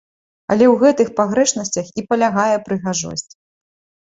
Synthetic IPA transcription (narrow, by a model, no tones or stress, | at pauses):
ɐ̰lʲɛwɣɛt̪ɨxpaɣɾɛʂn̪ɐsʲt͡sʲɐxipɐlʲaɣajɛpɾɨɣaʐɔ̰sʲt͡sʲ